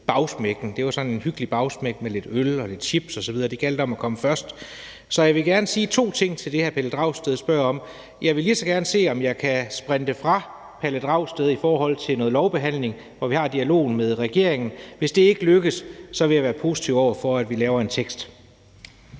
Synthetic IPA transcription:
b̥ɑ̈ʊsmeɡ̥n̩d̥e̝ʋɑsɒ̽ne̝nhyɡ̥əlib̥ɑ̈ʊsmeɡ̥mele̝d̥ølɒ̽le̝d̥ɕib̥sɒ̽sɒ̽ʋið̞ˠɐːd̥iɡ̥æl̰d̥əɒ̽mækʰɒ̽məfɶɐsd̥ | sɒ̽jɑɪʋe̝ɡ̥æɐnəsiːt͡sʰo̝̰ːt͡sʰe̝ŋ̰t͡sʰe̝ld̥e̝hæɐpʰæləd̥ʁɑ̈ʊ̰sd̥eðˠsb̥ɶɐ̰ɒ̽m | jɑ̈ɪʋe̝lisɒ̽ɡ̥æɐnəse̝̰ːɒ̽mjɑ̈ɪkʰæsb̥ʁɛnd̥əfʁɑ̈ | pʰæləd̥ʁɑ̈ʊ̰sd̥eðˠifɒːɦɒ̽l̰t͡sʰe̝lnɔ̽ːð̩ˠlɒʊb̥e̝ɦæn̰le̝ŋ | ʋɒʋihɑ̈d̥iælo̝̰ːn̩meðˠʁɛɡ̥e̝ɐ̰e̝ŋn̩ʋe̝sd̥e̝e̝ɡ̥əløɡ̥əssɒ̽ʋe̝jɑʋæːɐpʰo̝ːsi̥t͡sʰiʊ̰ɒʊ̰ɐfɒæd̥ʋilɛːʊɐe̝nt͡sʰeɡ̥sd̥

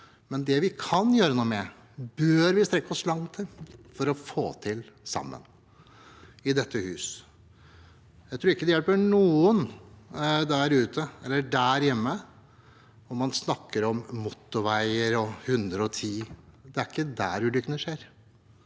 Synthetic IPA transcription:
mɛnd̪ɛʋɪkʰɑnjøːɾənuːmɛ | bøːɾʋɪst̪ɾɛkːɔslɑŋt̪ʰɪfɔɾɔfo̰ːt̪ʰɪlsɑ̰mːə̰n | ɪd̪ɛt̪ʰːəhʉːs | jæɪt̪ʰɾuːɾɪkːəd̪ɛjɛlpəɳuːən | d̪æɾʉːt̪ʰəɛlːəɖæɾjɛmːə | ɔmɑnsnɑkːəɾɔmːɔt̪ːʊʋæɪəɾɔhʉnd̪ɾəɔt̪ʰiːd̪ɛæɾɪkːəd̪æ̰ɾʉːlʏkːənəʂeːɾ

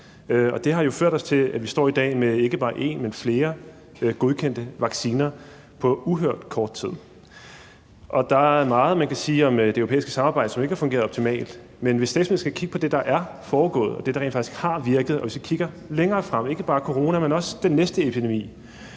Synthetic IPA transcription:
ɒ̽d̥e̝ɦɑ̈jo̝føɐ̰ɾ̥ɒ̽st͡sʰe̝læʋisd̥ɒ̰ːid̥ɛ̰ːmee̝ɡ̥əb̥ɑ̈ːʔe̝̰nmenfle̝ːɐ | ɡ̥o̝ð̞ˠkʰen̰d̥əʋɑ̈ɡ̥siːnɐ | pʰɒ̽uɦøɐ̰d̥kʰɒːd̥̚t͡sʰið̞̰ˠ | ʔɒ̽d̥ɑ̈æɐmɑ̈ːð̞̩ˠmænkʰæsiːɒ̽md̥eøʊopʰḛːisɡ̥ə̥sɑ̈mɑ̈ːb̥ɪd̥əsɒ̽me̝ɡ̥hɑ̈fɔ̽ŋɡe̝ːɐðˠɒ̽b̥t͡sʰimɛ̰ːld̥ | menʋe̝sd̥ɛ̰ːsme̝ð̩ˠsɡ̥ækʰiɡ̥ə̥pʰɒ̽d̥e̝d̥ɑ̈ʔæɐ | fɒːɡ̥ɔ̰̽ːð̩ˠɒ̽d̥e̝ɾɑʁḛnfɑ̥̈i̥sɡ̥hɑ̈ʋiɐɡ̥ð̩ˠɒ̽ʋesikʰiɡ̥ɐ | leŋɐːfʁɑm̰e̝ɡ̥əb̥ɑ̈ːkʰoʁo̝ːnæmenɒ̽səd̥enːesd̥əepʰid̥emḭː

